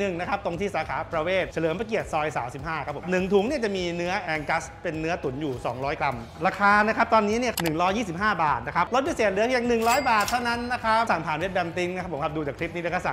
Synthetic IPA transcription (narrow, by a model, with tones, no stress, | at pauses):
nɯ˨˩ŋna˦˥kʰa˦˥p̚t̪o˧ŋt̪ʰiː˥˩saː˨˦kʰaː˩˦pɾa˧weː˥˩t̪̚t͡ɕʰa˧lɯː˩˦əma˧˩ki˨˩ət̪̚sɔː˧jsa̰ː˩˦msi˨˩p̚haː˥˩kʰa˦˥pʰo˩˦p̚nɯ˨˩ŋt̪ʰuː˩˦ŋni˥˩t͡ɕa˨˩miː˧nɯ˦˥ɐʔɛː˧ŋka˦˥spe˧nːɯ˦˥ɐt̪u˩˦njuː˨˩sɔ̰ː˩˦ŋɾɔː˦˥jkɾa˧m | ɾaː˧kʰaː˧na˦˥kʰa˦˥p̚t̪ɔː˧nːiː˦˥ni˥˩ɐnɯ˨˩ŋɾɔː˦˥jːiː˥˩si˨˩p̚ɦaː˥˩ba̰ː˨˩t̪̚na˦˥kʰa˦˥p̚lo˦˥t̪̚bi˧˩seː˨˩t̪̚nɯ˦˥ɐkʰi˧əŋnɯ˨˩ŋɾɔː˦˥jbaː˨˩t̪ʰːa˥˩wna˦˥nːa˦˥kʰa˦˥p̚sa˨˩ŋpʰaː˨˩˦nwe˦˥t̪̚bɛ˧mt̪i˦˥ŋna˦˥kʰa˦˥pʰːo˩˦kʰa˦˥p̚duː˧t͡ɕaː˨˩kʰɾi˦˥p̚niː˦˥na˦˥kʰa˦˥˩sa˨˩